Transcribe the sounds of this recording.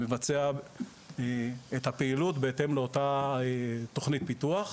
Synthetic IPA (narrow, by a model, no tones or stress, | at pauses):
mevat͡sea | eet̪hapeilutbeet̪e̞mleo̞taet̪o̞χnit̪̚pituaχ